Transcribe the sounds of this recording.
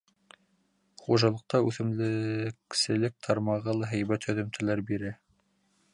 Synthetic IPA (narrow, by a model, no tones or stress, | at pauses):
χuʒɑlˠɤ̆q̚t̪ɑʉθɘ̆mlɘksɘ̆lɘk̚t̪ʰɑɾmɑʁɤlˠɑɦæ̆jbæt̪hɵ̆ðɘ̆mt̪ʰɘ̆læɾbiɾɘ